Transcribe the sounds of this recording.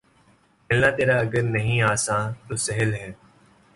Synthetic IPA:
pelnãːt̪eːɾaːɐɡəɾnəɦĩːaːsãːt̪oːsəɦəlɦɛː

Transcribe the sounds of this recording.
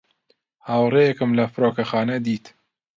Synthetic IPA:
haːwrejekɨmlɐfɨɾoːkɐxɑːnɐd̪iːt̪

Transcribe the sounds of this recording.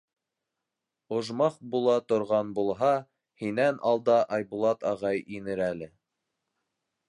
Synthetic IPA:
ŏʒmɑqbulˠɑt̪ŏɾʁɑnbulˠɦɑ | hinænʔɑlˠd̪ɑʔɑjbulˠɑt̪ɑʁɑjinɘɾælɘ

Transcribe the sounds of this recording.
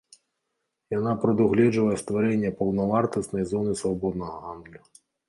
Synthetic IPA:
janapɾɐd̪uɣlʲɛd͡ʐvɐjɛst̪vaɾɛnʲːɐpɐwnɐvart̪ɐsnɐjzɔnɨsvabɔd̪nɐɣɐɦand̪lʲu

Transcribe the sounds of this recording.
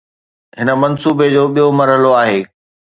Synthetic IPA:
ɦɪnə̆mɐnsuːbed͡ʑoːɓijomɐɾɦəloaːɦeː

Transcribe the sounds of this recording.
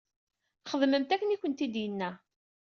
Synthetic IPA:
χəðməmt̪ækːənikʷːənt̪id̪jənːæ

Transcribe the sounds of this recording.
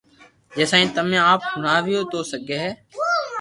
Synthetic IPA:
d͡ʒeːsaːĩːt̪əmẽːaːp̚hʊnaːʋɪjoːt̪oːsəɡeːɦɛː

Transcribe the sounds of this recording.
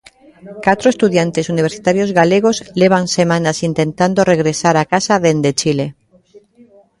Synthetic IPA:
kat̪ɾoest̪uðjant̪esuniβ̞eɾsit̪aɾjozɣaleɣ̞ozleβ̞ansemãnasint̪ẽnt̪and̪oreɣɾesaɾakasaðend̪et͡ʃile

